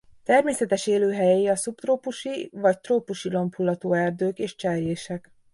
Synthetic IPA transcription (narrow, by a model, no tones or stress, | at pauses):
t̪ɛrmeːsɛt̪ɛʃeːløːɦɛjɛiɒsupt̪roːpuʃivɒct̪roːpuʃilo̞mpʰulːɒt̪oːɛrd̪øːkeːʃt͡ʃɛrjeːʃɛk